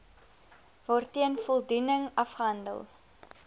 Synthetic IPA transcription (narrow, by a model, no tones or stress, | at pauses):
vɔrtːiənfɔlˠdunəŋɐfχəɦɐndə̰lˠ